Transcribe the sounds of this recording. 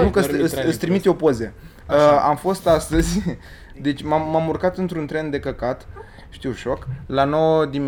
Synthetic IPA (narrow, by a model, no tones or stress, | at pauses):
nukəsɨsɨst̪ɾimit̪o̞po̞ze | əa̰mfo̞st̪ast̪əzʲ | d̪e̞t͡ʃʲmamːamurkat̪ɨnt̪ɾunt̪ɾe̞nd̪e̞kəkat̪ | ʃt̪iwʃo̞klano̞wəd̪im